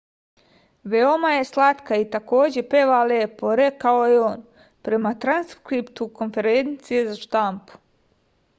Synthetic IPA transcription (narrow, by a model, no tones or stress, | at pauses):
ʋeomaje̞slˠat̪kait̪ako̞ːd͡ʑe̞peːʋaleːpo̞ɾe̞kao̞jeoːn | pɾe̞mat̪ɾanskɾipt̪uko̞nfe̞ɾent̪sije̞zaʃt̪ampu̥